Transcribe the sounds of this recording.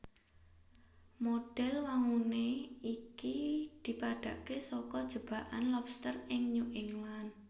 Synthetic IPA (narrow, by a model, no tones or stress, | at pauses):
moɖ̥ɛlwaŋuneikid̪̥i̤paɖ̥a̤ʔkesɔkɔd̥ʒ̥ə̤b̥a̤ʔa̰nlɔpst̪ərɪŋɲoʔɪŋlan